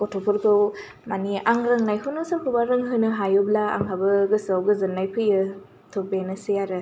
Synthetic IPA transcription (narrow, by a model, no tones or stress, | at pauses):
kɔtʰopʰɔɾkʰɯw | maniaŋɾɯŋnajɦunɯsɯkʰubaɾɯŋɦɯnɯɦajoblaa̰ŋhabɯɡɯsawɡɯzɯnːajpʰɯjɯ | tʰobenɯsejaɾɯ